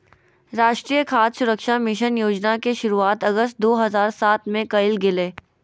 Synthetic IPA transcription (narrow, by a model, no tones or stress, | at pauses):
ɾaːʃʈɾiːjəkʰaːd̪sʊɾəkʃamɪʃənjoːd͡ʒnakeʃʊɾuaːt̪ɐɡəst̪̚d̪oːɦɐzaːɾsaːt̪ʰmẽkɐɪlɡɪleː